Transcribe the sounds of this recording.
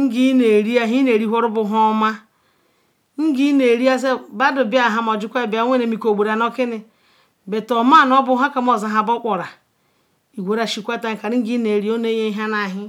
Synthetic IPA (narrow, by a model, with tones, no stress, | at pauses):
ŋ̩˦ɡi˦ne˨ɾi˦a˦ɦi˦ne˨ɾi˦ɦʷo˦ɾu˦bʊ˨ɦɔ˦ma˦ | ŋ̩˦ɡi˦ne˨ɾi˦a˦se˦ba˦do˨bi˦a˨ɦa˨m˨ɔ˨d͡ʒi˦kʷa˦˨bi˨˦a˨˦ŋʷ˦e˦ne˨mi˨ko˨ɡ͡bu˨ɾa˨no˦kɪ˦nɪ˨ | be˨to˨ma˦˨n˦ɔ˦bʊ˦ɦa˦ka˦m˦o˨za˨˦ɦa˨bɔ˦kʷɔ˨ɾa˨ | i˨ɡʷe˨ɾa˨ʃi˨kʷa˦ta˦ŋ̩˨ka˨ɾi˦ŋ̩˦ɡi˦ne˨ɾi˦o˦ne˦je˦ɦa˦na˨ɦɪ˦